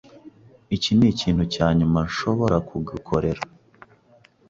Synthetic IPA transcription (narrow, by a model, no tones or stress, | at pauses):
iciniciːn̥hucaːɲumaɲʃo̞βo̞ɾakuɡikʰo̞ɾe̞ɾa